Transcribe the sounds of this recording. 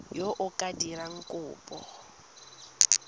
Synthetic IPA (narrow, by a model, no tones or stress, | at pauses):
joʔʊkʼadiɾaŋ̩kʼʊːpʼɔ